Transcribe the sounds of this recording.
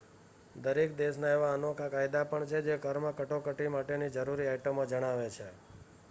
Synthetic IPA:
d̪əɾek̚d̪eʃnaeʋaənokakajd̪apəɳt͡ʃʰed͡ʒekəɾməkəʈokəʈimaʈenid͡ʒəɾuɾiajʈəmod͡ʒəɽ̃aʋet͡ʃʰe

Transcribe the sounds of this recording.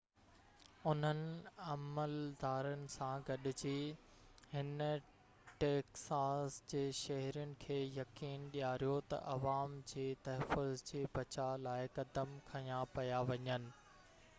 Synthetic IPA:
ʊn̤ənɪ̆ɐməld̪aːɾənɪ̆sãɡɐɗɪ̆d͡ʑiː | hɪn | ʈeːksaːsd͡ʑeːʃɐɦɾijʊnɪ̆kʰeːjɐkiːnɗijaːɾijot̪ɐ̰ʔɐʋaːmd͡ʑiːt̪ɐɦfʊzd͡ʑiːbɐt͡ɕalaːɪkɐd̪əmkʰɐjãpɐjaʋɐɲənɪ̆

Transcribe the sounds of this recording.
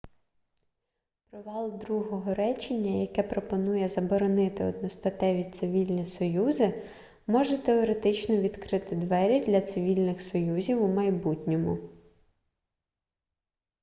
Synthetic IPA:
pɾɔʋɑlˠd̪ɾuɦɔɦɔɾɛt͡ʃenʲːɐjɐkɛpɾɔpɔnujɛzɐbɔɾɔnɪt̪ɪɔ̰d̪nɔst̪ɐt̪ɛʋʲitt̪sɪʋʲilʲnʲisɔjuzɪ | mɔʒɛt̪eɔɾet̪ɪt͡ʃnɔʋʲid̪kɾɪt̪ɪd̪ʋɛɾʲid̪lʲɐt̪sɪʋʲilʲnɪxsɔjuzʲiwumɐjbutʲnʲɔmʊ

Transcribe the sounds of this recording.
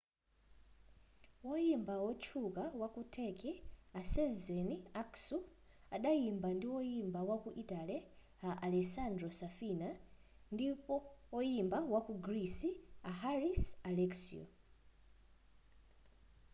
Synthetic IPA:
wɔjimbawɔt͡ʃʰukawakutʰɛkɛasɛzɛniaksu | aɗajimbandiwɔjimbawakuʔitalɛ | aʔalɛsandɾɔsafina | ndipɔɔjimbawakuɡɾisiaɦaɾisalɛksḭɔ̰

